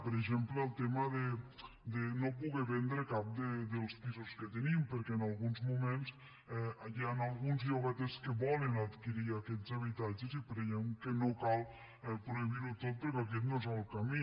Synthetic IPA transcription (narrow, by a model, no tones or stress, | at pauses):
pəɾeʒempləːlˠt̪emaðe | d̪enop̬uɣɛβɛnd̪ɾəkap̚d̪ed̪əlˠspizuskət̪ənimpəɾkɛːnalˠɣunzmumẽnz | ɛaʎanalˠɣunzʎoβɛt̪eskəβɔlənat̪kiɾiakɛt̪zaβ̞it̪ad͡ʒezipɾejɛmkənokalˠ | ɛpɾuiβiɾut̪ot̪̚pəɾkɔak̬ɛt̪nozalˠkami